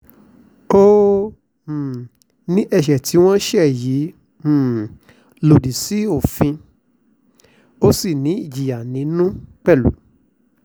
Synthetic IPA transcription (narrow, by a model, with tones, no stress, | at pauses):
ko˦˨ | nĩ˦ʔɛ˧ʃɛ˨tʰi˨˦w̃ɔ̃˦ʃɛ˦˨jĩ˨˦˨ | lo˨di˨si˨˦o˦˨fĩ˧ | o˦si˦˨nĩ˨˦i˦˨d͡ʒi˨ja˨nĩ˨˦nũ˦k͡pɛ˦˨lṵ˨˦